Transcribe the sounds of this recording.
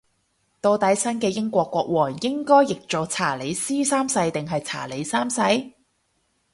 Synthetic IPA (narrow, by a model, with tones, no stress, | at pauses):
t̪o˧wt̪ɐ˨˥jsɐ˥nkɛː˧jɪ˥ŋkʷɔː˧kʷːɔː˧k̚wɔː˨˩ŋjɪ˥ŋkɔː˥jːɪ˨k̚t͡so˨˩wt͡sʰaː˨˩le˨˧jsiː˥saː˥msɐ˧jt̪ɪ˨˩ŋɦɐ˨jt͡sʰa̰ː˨˩le˨˧˥jsaː˥msɐ˧j